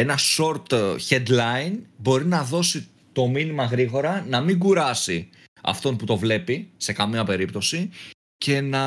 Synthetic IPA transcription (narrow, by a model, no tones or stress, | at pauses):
enɐso̞ɾt̪çed̪lɐinbo̞ɾinɐðo̞si | t̪o̞minimɐɣɾiɣo̞ɾɐnɐmiŋɡuɾɐsi | ɐ̰ft̪o̞nput̪o̞vle̞pise̞kɐmiɐpe̞ɾipt̪o̞si | ce̞nɐ